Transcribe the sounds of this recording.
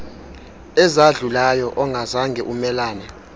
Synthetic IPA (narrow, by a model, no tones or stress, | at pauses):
ɛzaɮulajɔʔɔŋɡʱazaŋɡʱɛʔumɛlaːna